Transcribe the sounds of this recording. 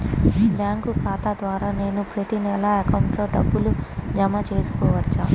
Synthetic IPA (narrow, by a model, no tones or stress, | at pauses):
bjaːŋkukʰaːt̪ad̪ʋaːɾaːne̞ːnupɾɐt̪inɛlɐɐkɐwuɳʈloːɖɐbːulud͡ʒɐmɐt͡ʃe̞ːsu̥kɔːʋɐt͡ʃːaː